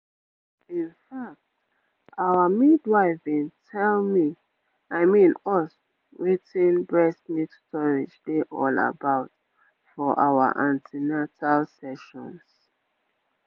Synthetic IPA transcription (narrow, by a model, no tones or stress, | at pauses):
ĩnfak̚t | awamidwaɪfĩntʰɛlmi | aɪmĩnɔs | witĩnbɹɛsmitstɔɹid͡ʒdeʔɔla̰baʊt | fɔʔa̰wa̰ʔãntʰinatʰalsɛʃɔ̰̃ns